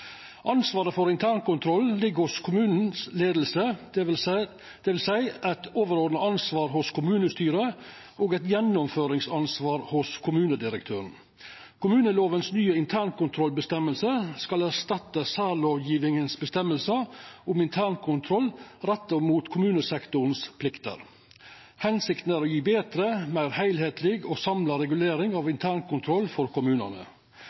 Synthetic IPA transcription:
ʔɑnsʋɑːɾəfɔɾɪnt̪ʰæːɳkʊnt̪ʰɾɔllɪɡhʊskʰʊmʉːnn̩sleːd̪l̩sə | d̪̥ɛʋɪlsæɪʔæt̪oːʋəɾoːd̪nəɑnsʋɑːɾɦʊskʰʊmʉːnəst̪yːɾə | ʔoːɡɛɪt̪jɛnːɔmføːɾɪŋsɑnsʋɑːɾhʊskʰʊmʉːnəd̪ɪɾəkt̪ʰøːɾn̩ | kʊmʉːnəloːʋənsnyːəɪnt̪ʰæːɳkʊnt̪ʰɾɔlbəst̪ɛmːəlsəskɑlæʂt̪ɑt̪ːəsæːloːʋjiːʋɪŋənsbəst̪ɛmːəlsəʊmɪnt̪ʰæːɳkʰʊnt̪ʰɾɔlɾɛt̪ːəmuːt̪kʰʊmʉːnəsɛkt̪ʊn̩spʰlɪkt̪ə̰ɾ | hɛnsɪkt̪n̩æɾoːjiːbeːt̪ɾəmæɪɾhæɪlheːt̪lɪɡoːsɑmləɾɛɡʉleːɾɪŋɑʋɪnt̪ʰæːɳkʊnt̪ʰɾɔlːfɔɾkʊmʉːnə̰nə̰

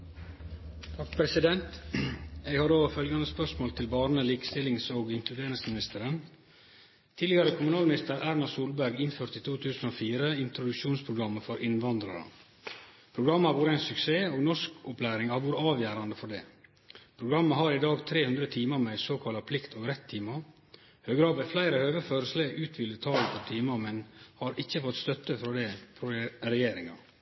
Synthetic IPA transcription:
t̪ʰɑkːpʰɾɛsɪd̪ɛnt̪ | ɛɪɡhɑɾoːfœlɡɑnəspœʂmoːlt̪ʰɪlbɑːɾnəliːkə̥st̪ɪlːɪŋsoːɡɪŋkʰlʉd̪eːɾɪŋsmɪnɪst̪əɾən | t̪ʰiːd̪ɪɡɑɾəkʰʊmʉnɑːlmɪnɪst̪əɾæːɾnɑsuːlbæɾɡɪnføːɾt̪iːt̪ʰuːt̪ʰʉːsn̩oːfiːɾəɪnt̪ɾʊd̪ʉkʂuːnspʰɾʊɡɾɑmːəfɔɾʔɪnʋɑnd̪ɾɑɾə̰ | pʰɾʊɡɾɑmːəhɑɾʋuːɾəæɪnsʉkseːoːɡnɔʂkʊpʰlæːɾɪŋhɑɾʋuːɾəɑːʋjæːɾɑnd̪əfɔɖɛː | pʰɾʊɡɾɑmːəɦɑɾɪd̪ɑːɡt̪ʰɾeːhʉnd̪ɾət̪ʰiːmɑɾmɛɪsoːkʰɑlɑpʰlɪkt̪oːɡɾɛt̪ʰːiːmɑ | høːɡɾɑːbɛflæɪɾəhøːʋəføːɾəsləʉːt̪ʰʋɪlət̪ʰɑːləfɔɾt̪ʰiːmɑmɛnhɑɾʔɪçːəfɔt̪ːst̪œt̪ːəfɾɔd̪ɛpʰɾɛjeːɾɪŋɑ̰

